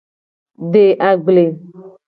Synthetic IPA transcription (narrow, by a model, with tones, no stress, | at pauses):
ɖe˨ʔa˨ɡ͡ble˨